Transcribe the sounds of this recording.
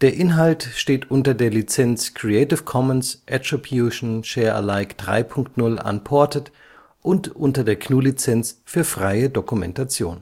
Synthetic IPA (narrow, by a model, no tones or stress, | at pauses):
d̥eːɐʔɪnɦaltʃteːtʔʊntɐdeːɐlit͡sɛnt͡skʁ̥iɛɪtɪfkʰɔmənsʔɛtʁ̥ibjuʃn̩ʃɛːɐʔə̰laɪkd̥ʁa̰ɪpʰʊŋktnʊla̰npʰɔɐtət | ʔʊntʔʊntɐdeːɐkʰnuːlit͡sɛnt͡sfyːɐfʁ̥aɪədokumɛ̰ntat͡sjo̰ːn